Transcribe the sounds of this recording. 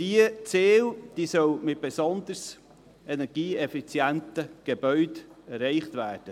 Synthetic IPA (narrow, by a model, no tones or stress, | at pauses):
d̥iət͡seːld̥iːsœwmɪt̚b̥ɛsɔnd̪əɾs | ɛnɛɾɡ̥iːɛfit͡sjæntəɡ̥eb̥œʏdɛrɛɪχt̪væːd̥ə